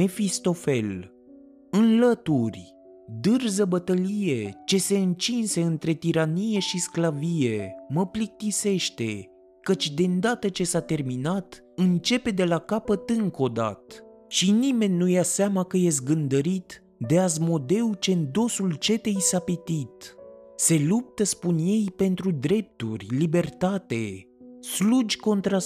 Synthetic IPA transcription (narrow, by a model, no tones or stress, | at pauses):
me̞fist̪o̞fe̞̰l | ɨnlət̪urʲ | d̪ɨrzəbət̪əlije̞t͡ʃe̞se̞ɨnt͡ʃinse̞ɨnt̪ɾe̞t̪iɾanije̞ʃisklavije̞məplik̚t̪ise̞ʃt̪e̞ | kət͡ʃʲd̪e̞nd̪at̪ət͡ʃe̞sat̪e̞rminat̪ | ɨnt͡ʃe̞pe̞d̪e̞lakapət̪ɨŋko̞d̪a̰t̪ | ʃinime̞nʲːujaseamakəje̞s̬t̪̚ɡɨnd̪əɾit̪ | d̪e̞azmo̞d̪e̞wut͡ʃe̞nd̪o̞sult͡ʃe̞t̪e̞jsapit̪it̪se̞lup̚t̪əspunje̞jpe̞nt̪ɾud̪ɾe̞p̚t̪ṵrʲlibe̞rt̪at̪e̞ | slud͡ʒʲko̞nt̪ɾa